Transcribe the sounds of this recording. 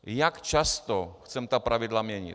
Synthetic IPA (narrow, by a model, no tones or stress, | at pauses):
jakt͡ʃast̪ɔxt̪sɛmt̪apɾavʲɪd̪lˠamʲɛɲʲḭ